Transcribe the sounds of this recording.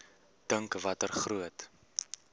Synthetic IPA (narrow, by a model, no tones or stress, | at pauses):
d̥əŋkvɐtərχruət